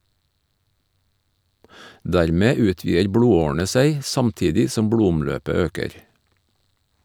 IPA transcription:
ˈdæɾˌmeː ˈʉːˌtʋiːəɾ ˈbɽuːˌoːɳ̩ə ˈseɪ ˈsɑmˌtiːdɪ ˈsɔm ˈbɽuːʊmˌløːpə ˈøːkəɾ

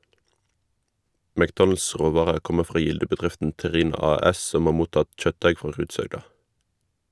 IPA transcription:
mækˈdɔnl̩s ˈʁoːʋɑːʁəʁ ˈkɔmə ˈfʁɑː ˈjɪldəbəˌdʁɪftn̩ tɛˈʁiːnɑ ˈɑːˌɛs ˈsɔm ˈhɑː ˈmuːtɑt ˈçœtˌdæɪ ˈfʁɑː ˈʁʉːdshœɡdɑ

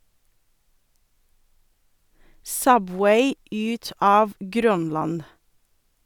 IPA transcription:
ˈsœˌbweɪ ˈʉːt ˈɑːʋ ˈɡɾœnˌlɑn

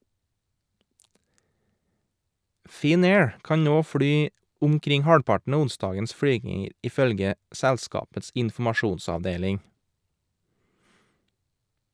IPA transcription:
ˌfɪˈneːɹ ˈkɑɲ ˈnoː ˈfɽyː ʊmˈkɾɪŋ ˈhɑːɽpɑʈɳ̩ ˈɑː ˈʊnˌsdɑːɡəns ˈfɽyːɡɪŋəɾ ʔɪˈfœlɡə ˈsɛlˌskɑːpəts ɪnfm̩ɑˈʃuːnsɑʋˌdeːlɪŋ

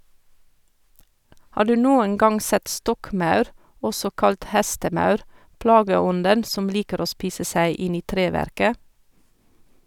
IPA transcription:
ˈhɑː ˈɖʉː ˈnuːən ˈɡɑŋ ˈsɛt ˈstɔkˌmɑʉɾ ˈɔsɔ ˈkɑlt ˈhæstəˌmɑʉɾ ˈplɑːɡəˌɔndən ˈsɔm ˈliːkəɾ ˈoː ˈspiːsə ˈsæɪ ˈɪn ˈiː ˈtɾeːˌʋæɾkə

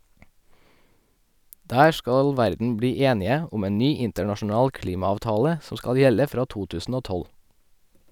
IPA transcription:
ˈdæː ˈʃkɑl ˈʋæɾdn̩ ˈbɽiː ˈeːnɪə ˈʊm ˈeːn ˈnyː ˈɪntəɳɑʃn̩ˌɑːl ˈkliːmɑɑːʋˌtɑːlə ˈsɔm ˈskɑl ˈjɛlə ˈfɾɑː ˈtuː ˈtʉːsn̩ ˈoː ˈtɔl

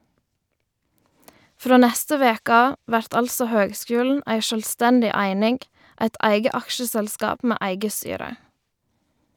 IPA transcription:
ˈfɾoː ˈnæstə ˈʋeːkə ˈɑː ˈʋæɾt ˈɑlsɔ ˈhøːɡˌskʉːln̩ ˈæɪ ˈʃøːlˌstændɪ ˈæɪnɪŋɡ ˈæɪt ˈæɪɡə ˈɑkʃəsɛlˌskɑːp ˈmeː ˈæɪɡə ˈstyːɾə

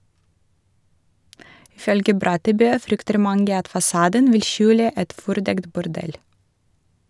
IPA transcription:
ˈɪ ˈfœlɡə ˈbɾɑtəˌbøː ˈfɾʏktəɾ ˈmɑŋɡə ˈɑt fɑˈsɑːdən ˈʋɪl ˈʃʉːlə ˈʔɛt ˈfɔɾˌdɛkt bʊɾˈɖɛl

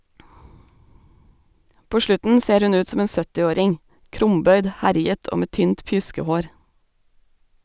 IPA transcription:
ˈpoː ˈʃlʉtn̩ ˈseːɾ ˈhʉn ˈʉːt ˈsoːm ˈeːn ˈsœtɪˌoːɾɪŋ ˈkɾʊmˌbœʏd ˈhæɾɪət ˈʔoː ˈmeː ˈtyːnt ˈpjʉskəˌhoːɾ

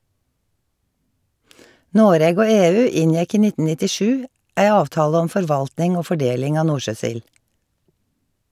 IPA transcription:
ˈnoːɾeːɡ ˈoː ˈeːˌʉː ˈɪnˌjɛk ˈiː ˈnɪtn̩ ˌnɪtɪˈʃʉː ˈʔæɪ ˈɑːʋˌtɑːlə ˈɔm ˌfɔɹˈʋɑltnɪŋ ˈoː ˌfɔˈɖeːlɪŋ ˈɑː ˈnuːɹˌʃøːˌsɪl

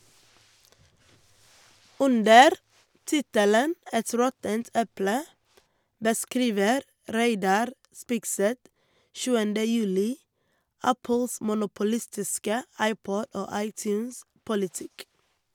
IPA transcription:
ˈʉndəɾ ˈtɪtələn ˈɛt ˈɾɔtənt ˈɛplə bəˈskɾiːʋəɾ ˈɾeɪdɑɾ ˈspɪɡˌsɛt ˈʃʉːəndə ˈjʉːlɪ ˈæpəls mʊnʊpʊˈlɪstɪskə ˈɑɪˌpɔd ˈoː ˈɑɪˌtjʉːnˌspʊlɪˌtɪk

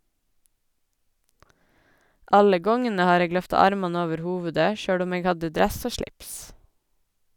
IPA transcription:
ˈʔɑlə ˈɡɔŋənə ˈhɑːɾ ˈeːɡ ˈlœftɑ ˈɑɾmɑnə ˈoːʋəɾ ˈhuːʋʉdə ˈʃøːɽ ˈʊm ˈeːɡ ˈhɑdə ˈdɾɛs ˈoː ˈʃɭɪps

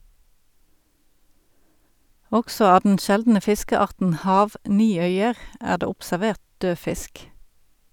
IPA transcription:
ˈɔksɔ ˈɑː dn̩ ˈʃɛldn̩ə ˈfɪskəˌɑʁtn̩ ˈhɑːʋˌniːˌœʏəʁ ˈæːʁ ˈdeː ʊpsæˈʋeːʁt ˈdøː ˈfɪsk

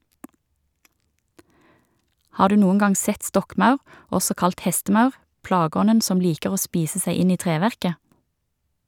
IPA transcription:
ˈhɑː ˈdʉː ˈnuːən ˈɡɑŋ ˈsɛt ˈstɔkˌmɑʉʁ ˈɔsɔ ˈkɑlt ˈhɛstm̩ˌɑʉʁ ˈplɑːˌɡɔnən ˈsɔm ˈliːkəʁ ˈoː ˈspiːsə ˈsæɪ ˈɪn ˈiː ˈtʁeːˌʋæʁkə

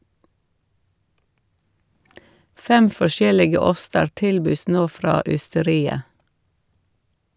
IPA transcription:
ˈfɛm fɔˈʃjɛlɪɡə ˈɔstəɾ ˈtɪlbyːs ˈnoː ˈfɾɑː ʏstəˈɾiːə

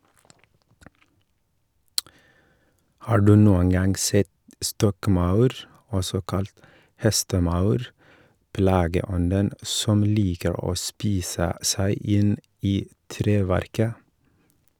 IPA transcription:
ˈhɑː ˈɖʉː ˈnuːəŋ ˈɡɑŋ ˈsɛt ˈstɔkˌmɑʉɾ ˈɔsɔ ˈkɑlt ˈhɛstəˌmɑʉɾ ˈplɑːɡəˌɔndən ˈsɔm ˈliːkəɾ ˈoː ˈspiːsə ˈsæɪ ˈɪn ˈiː ˈtɾeːˌʋæɾkə

